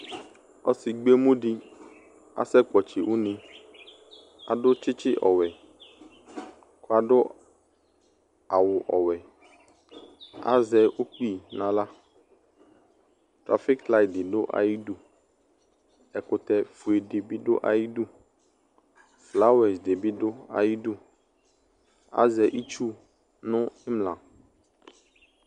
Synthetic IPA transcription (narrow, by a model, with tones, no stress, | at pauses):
ɔ̰˦si˨ɡ͡be˦mũ˦ɖi˦ | a̰˨sɛ˦k͡pɔ˨t͡ʃi˨wu˦nĩ˦ | a̰˨ɖʊ˦t͡ʃɪ˦t͡ʃɪ˦ʔɔ̰˨wɛ˨ | ko˦a˨ɖʊ˦ | a˨wʊ˨ʔɔ˨wɛ˨ | a̰˦zɛ˦u˦k͡pi˦˨nã˨la˦ | tɾa̰˨fi˦kla˦j̚dɪ˨ɖo˦ʔa̰˨ji˦du˦ | ɛ˨kʊ˨t̪ɛ˦fu˨e˨dɖe˨bi˦ɖo̰˦ʔa̰˨ji˦du˦ | fla˦wɛ˨sde˨bi˦ɖʊ˦a̰˨ji˦du˦ | a̰˦zɛ˨ʔi˦t͡ʃu˦ | nʊ̃˦ɛ˦mlã˨